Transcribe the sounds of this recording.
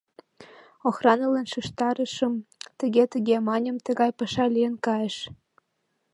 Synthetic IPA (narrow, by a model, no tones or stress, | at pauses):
oxrɑnɤ̆lɑnʃɯʃt̪ɑɾə̆ʃə̆mt̪ə̆ɣʲet̪əɣʲemɑnʲə̆mt̪ə̆ɣɑjpɤʃɑlʲijə̆nkɑjə̆ʃ